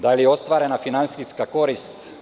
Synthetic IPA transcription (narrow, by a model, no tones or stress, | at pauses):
d̪alijeost̪ʋaːɾɛnafinansiskakoɾist̪